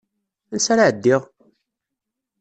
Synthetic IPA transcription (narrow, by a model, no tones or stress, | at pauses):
nsaɾaʕəd̪ːɪʁ